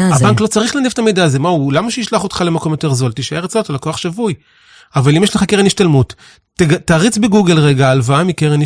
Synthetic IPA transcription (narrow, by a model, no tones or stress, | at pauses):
abaŋklo̞t͡saʁiχlanevet̪amejdaːze̞maulamaʃeiʃlaχot̪χale̞mako̞mjo̞te̞ʁzo̞lt̪iʃaeʁet͡saotalako̞aχʃavuj | avalimjeʃleχakeʁeniʃtalmut | ɡataːʁit͡sbeɡuɡelʁeɡaːlvaamikeʁen